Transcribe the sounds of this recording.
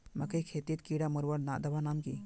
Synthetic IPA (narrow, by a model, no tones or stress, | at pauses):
mɐkəjkʰet̪it̪kiɽamɔɾwaɽnaʔd̪ɐbanamki